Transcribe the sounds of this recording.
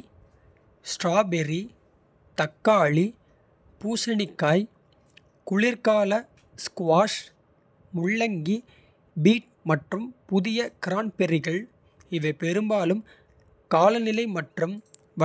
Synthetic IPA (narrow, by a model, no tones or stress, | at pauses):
sʈraːbɛɾi | t̪ɐkːaːɭi | puːsɐɳɪkːaːj | kʊɭɪɾkaːlɐ | skʋaːʂ | mʊɭːɐŋɡi | biːʈ̚ | mɐʈrɯmpʊðɪjɐkɪɾaːnpɛɾɪɣɐɭ | ɪʋɐɪpɛɾɯmbaːlɯm | kaːlɐnɪlɐɪmɐʈrɯm | ʋɐ